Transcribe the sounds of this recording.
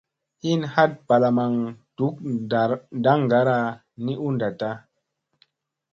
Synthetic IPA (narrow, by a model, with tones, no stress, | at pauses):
hi˦nha˦t̚ba˨la˨ma˨ŋtu˨˦k̚ | da˦ŋɡa˨˦ɾa˧ | ni˦ʔu˦nda˨ta˦